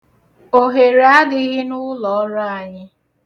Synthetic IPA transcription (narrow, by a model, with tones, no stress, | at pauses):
o˨ɦe˨ɾa˦dɪ˦ɣɪ˦nʊ˦lɔ˨ɔ˦ɾa˦a˨ɲɪ˦